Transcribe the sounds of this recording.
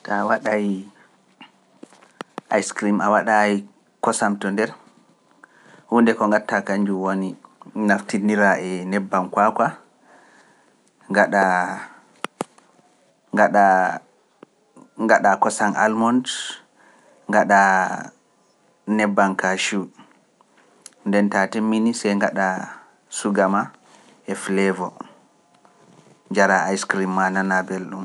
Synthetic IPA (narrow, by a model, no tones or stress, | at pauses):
tawaɗaji | ʔajskɾimawaɗai | kɔsamtɔndɛɾ | hundɛkɔŋɡatːakaɲd͡ʒuwoninaftiniɾaʔɛnɛbːankwakʷa | ŋɡaɗa | ɡaɗa | ŋɡaɗakɔsana̰lmɔnd | ŋɡaɗa | nɛbːankaʃu | ndɛntatemːinisɛjŋɡaɗa | suɡama | ɛflɛvɔ | d͡ʒaɾaajskɾimːananabɛlɗum